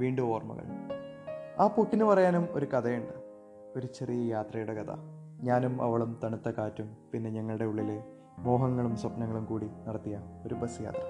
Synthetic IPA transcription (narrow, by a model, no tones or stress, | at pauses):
ʋiːɳɖuo̞ːrmɐ̰ɣɐ̰ɭ | aːpukːinɨpɐrɐjaːnumoɾukɐd̪ɐjuɳɖɨ | o̞ɾut͡ɕe̞rijɐjaːt̪rɐjuɽe̞kɐt̪ʰɐ̰ | ɲaːnumɐ̰ʋɐɭumt̪ɐɳut̪ːɐkaːtːumpinːe̞ɲɐŋːɐɭɨɽe̞uɭːile | mo̞ːɦɐŋːɐɭumswɐpnɐŋːɐɭumkuːɽinɐɽɐt̪ːijɐo̞ɾubɐsɨja̰ːt̪rɐ